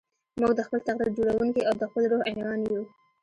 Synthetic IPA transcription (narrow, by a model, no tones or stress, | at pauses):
muɡ̚d̪əxpəlt̪aɣɾiɾd͡ʒoɽawuŋkiawd̪əxpəlɾoɣalɑnju